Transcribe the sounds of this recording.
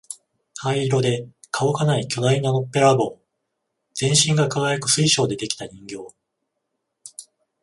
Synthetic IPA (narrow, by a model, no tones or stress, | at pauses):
haiɾo̞d̪e̞ | kʰao̞kanaikʲo̞d̪ainanopːe̞ɾabo̞ː | z̥ẽ̞ɰ̃ɕĩŋɡakaɡajakɯ̟̥sɨiɕo̞ːd̪e̞d̪e̞kʲi̥t̪aɲĩŋɡʲo̞ː